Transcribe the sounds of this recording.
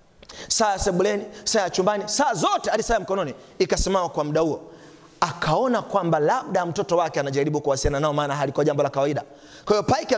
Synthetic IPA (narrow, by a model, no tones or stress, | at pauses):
saːjasɛɓulɛnisaːjat͡ʃumbanisaːzɔtɛalisajam̩kɔnɔniː | kasɛmawakwamuɗahuɔ | akʰaɔnakwambalaɓ̚ɗam̩tɔtɔwakɛanaʄaɾiɓukuwasijananaɔmaːnaɦalikɔaʄambɔlakawaiɗa̰ | kwahivɔpaik